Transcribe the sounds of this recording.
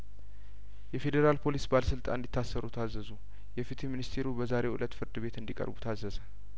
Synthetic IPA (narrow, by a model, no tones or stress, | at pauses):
jɛfe̞d̪eɾalpʰo̞lisbaləsɨlt̪ʼa̰nɨnd̪it̪ʰːasːəɾut̪ʰazːəzu | jɛfit̪ʰeminist̪ʰe̞ɾubəzaɾe̞ʔṵlət̪fɨɾd̪ɨbe̞t̪ɨnd̪ikʼə̰ɾbut̪ʰazːəzə